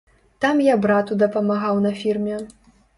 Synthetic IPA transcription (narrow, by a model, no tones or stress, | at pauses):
t̪amjabɾat̪ud̪ɐpɐmaɣawnɐfʲirmʲɛ